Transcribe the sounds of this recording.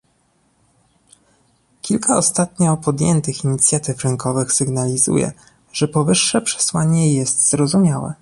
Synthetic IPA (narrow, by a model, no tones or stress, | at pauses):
kʲilkʰaɔst̪at̪ɲɔpɔd̪jɛ̰nt̪ɘxiɲit̪sʲjat̪ɘfɾɘŋkɔvɘxsɘɡnalʲizṵjɛ̰ | ʐ̥ɛpɔvɘʂːɛpʂɛ̥swaɲɛjɛst̪zɾɔzumʲjawɛ̰